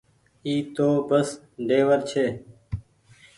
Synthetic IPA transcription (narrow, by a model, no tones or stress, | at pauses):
iːt̪oːbəs | ɖeːʋəɾt͡ʃʰeː